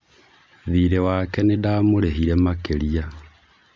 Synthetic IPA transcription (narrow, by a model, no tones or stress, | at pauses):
ðiːɾewakɛnedaːmoɾeɦiɾɛmakeɾia